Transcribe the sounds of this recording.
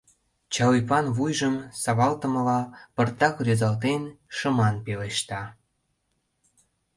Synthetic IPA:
t͡ɕɑlijpɑnβujʒəmsɑβɑlt̪ə̆mə̆lɑpərt̪ɑkrøzɑlt̪̬enʃə̆mɑnpeleʃt̪ɑ

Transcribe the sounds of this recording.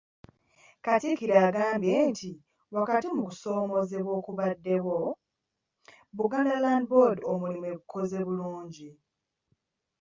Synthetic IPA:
katikiɾaːɡaːmbjeːntʰi | wakatimukuso̞ːmo̞ze̞βwo̞ːkuβadːe̞wo̞ | βuɡanelandbo̞domulimwe̞βukʰo̞ze̞βuluːɲɟi

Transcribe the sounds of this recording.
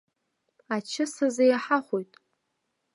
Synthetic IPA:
at͡ʃʰɪsazajaħaχʷojtʼ

